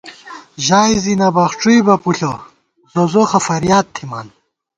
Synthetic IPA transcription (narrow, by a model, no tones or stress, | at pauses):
ʑaːjzinɐbɐxʈ͡ʂujbɐpuɬo | zozoxɐfɐɾjaːt̪ʰːima̰ːn